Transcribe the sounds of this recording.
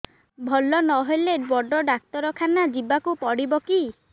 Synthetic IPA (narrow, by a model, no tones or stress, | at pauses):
bʱɔlːɔnɔɦojleɖwɔɖɔɖak̚t̪ɔɾɔkʰanad͡ʒibakupɔɽibɔki